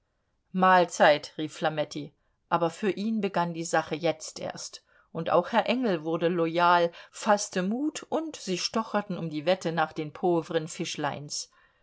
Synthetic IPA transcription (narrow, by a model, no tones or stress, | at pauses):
maːlt͡saɪtʁiːfːlamɛtʰi | ʔaːbɐfyːɐʔiːnbəɡandiːzaχəjɛt͡stʔḛːɐst | ʔʊntʔa̰ʊxhɛɐʔɛŋl̩vʊɐdəlɔjaːlfastəmuːtʊntz̥iːʃtɔχɐtn̩ʊmdiːvɛtənaːχd̥eːnpʰoːvəʁənfɪʃla̰ɪns